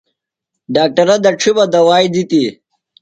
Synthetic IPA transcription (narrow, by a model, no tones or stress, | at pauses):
ɖaːk̚ʈɐɾɐd̪ɐʈ͡ʂʰibɐd̪ɐwaːjd̪it̪i